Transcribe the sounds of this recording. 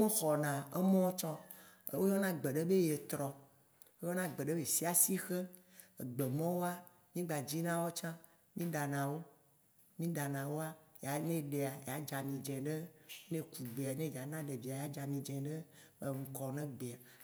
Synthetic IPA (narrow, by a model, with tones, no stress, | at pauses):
mẽ˦xɔ˨nã˨e˦mɔ̃˦t͡ʃɔ̃˦ | wo˦jɔ˦nã˦ɡ͡be˨ɖe˦be˦je˨t̪ɾɔ˨ | wo˦jɔ˦nã˦ɡ͡be˨ɖe˦be˨si˦a˨si˦xe˦ | e˨ɡ͡be˨mɔ̃˦wo˦a˦ | mĩ˦ɡ͡ba˨d͡ʑi˦nã˦wɔ˦t͡ʃã˦ | mĩ˦ɖa˨nã˨wo˦ | mĩ˦ɖa˨nã˨wo˦a˦ja˨nẽ˦ɖe˨a˨ja˨˦d͡ʒa˨mĩ˨d͡ʒɛ̃˨ɖe˦nẽ˦ku˨ɡ͡be˨a˨nẽ˦ja˨nã˦ɖe˨vi˨a˨ja˦d͡ʒa˨mĩ˨d͡ʒɛ̃˨ɖe˦ | e˨ŋ̩˨kɔ˨nɛ̃˦ɡ͡be˨a˨